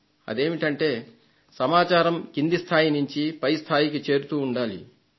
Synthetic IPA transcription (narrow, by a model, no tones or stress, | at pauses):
ɐ̰d̪e̞ːmiʈɐɳʈe̞ː | sɐmaːt͡ʃaːɾɐmkind̪ist̪ʰaːjinuɲt͡ʃipɐjst̪ʰaːjikit͡ʃe̞ːɾut̪uːɳɖaːlḭ